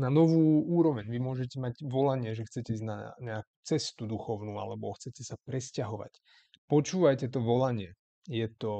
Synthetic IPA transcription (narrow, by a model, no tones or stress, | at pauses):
nanɔʋuːuːɾɔʋɛɲʋimʊɔʒɛcɛmaɟʋɔlaɲɪɛʒɛxt͡sɛcɛiːzna̰ɲɛaku̥t͡sɛst̪ud̪uxɔʊnuːa̰lɛbɔxt͡sɛcɛsapɾɛscaɦɔʋa̰c | pɔt͡ʃuːʋajcɛt̪ɔʋɔlaɲɪɛ | jɛt̪ɔ